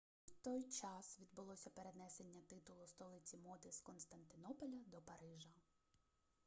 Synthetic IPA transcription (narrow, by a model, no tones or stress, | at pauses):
t̪ɔjt͡ʃɑsʋʲid̪̚bʊlˠɔsʲɐpeɾed̪nɛse̞nʲːɐt̪ɪt̪ʊlˠʊst̪ɔlˠɪtt͡sʲimɔt̪ɪskɔnst̪ɐnt̪ɪnɔpɔlʲɐd̪ɔpɐɾɪʒɐ